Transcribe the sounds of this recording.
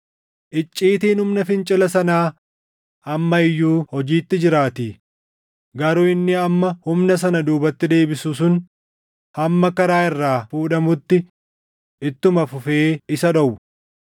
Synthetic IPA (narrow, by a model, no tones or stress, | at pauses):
ʔɪt͡ʃʼːiːt̪iːnhʊmnɐfɪnt͡ʃʼɪlɐsɐnaː | ɐmːɐɪjːuːhɔd͡ʒiːt̪ːɪd͡ʒɪɾaːt̪iː | ɡɐɾʊɪnːɪɐmːɐhʊmnɐs̬ɐnɐd̪uːbɐt̪ːɪd̪e̞ːbɪsuːs̬ʊn | hɐmːɐkɐɾaːɪrːaːfuːᶑɐmʊt̪ːɪ | ʔɪt̪ːʊmɐfʊfeːɪsɐᶑɐwʊ